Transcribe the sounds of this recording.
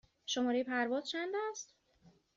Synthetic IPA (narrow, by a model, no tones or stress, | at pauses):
ʃomɒːɾejipʰæɾvɒːz̥t͡ʃʰænd̪æst̪